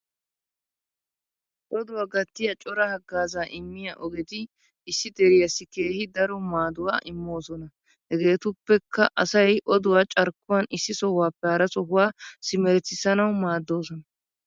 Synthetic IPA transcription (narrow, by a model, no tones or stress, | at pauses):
ʔɔd̪ʊwaːɡɐt̪ːɪjɐt͡ʃʼɔɾɐhɐɡːaːzaːʔɪmːɪjɐʔɔɡɛt̪ɪ | ɪsːɪd̪ɛɾɪjɐsːɪke̞ːhɪd̪ɐɾɔmaːd̪ʊwaːʔɪmːo̞ːsɔnɐ | hɛɡe̞ːt̪ʊpːɛkːɐʔɐsɐjʔɔd̪ʊwaːt͡ʃʼɐɾkːʊwɐnɪsːɪsɔhʊwaːpːɛhɐːɾɐsɔɦʊwaːsɪmɛɾɛt͡sːɪsɐnɐwmaːd̪ːo̞ːsɔnɐ